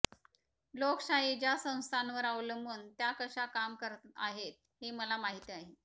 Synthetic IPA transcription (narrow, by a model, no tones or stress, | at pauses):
loksaɦid͡ʑjasə̃w̃st̪ʰanʋəɾawləmbənt̪jakəɕakamkəɾaɦet̪̚ | heməlamaɦit̪iaɦe